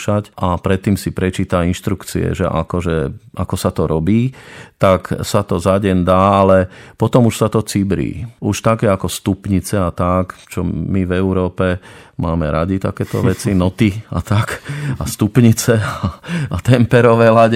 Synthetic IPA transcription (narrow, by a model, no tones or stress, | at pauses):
ʃacʔapɾɛt̪ːiːmsipɾɛt͡ʃiːt̪ainʃt̪ɾukt͡sḭɛ̰ʒɛ̰ʔa̰kɔʒɛakɔsat̪ɔɾɔbiːt̪aksat̪ɔzaɟɛnd̪aːalɛpɔt̪ɔmuʃsat̪ɔt͡sibɾḭːuʃt̪akɛakɔst̪upɲit͡sɛat̪akt͡ʃɔmivɛuɾɔːpɛmaːmɛɾaɟit̪akɛːt̪ɔ̰ʋɛt͡sinɔt̪ia̰t̪akast̪upɲit͡sɛaat̪ɛmpɛɾɔʋɛːlaɟɛ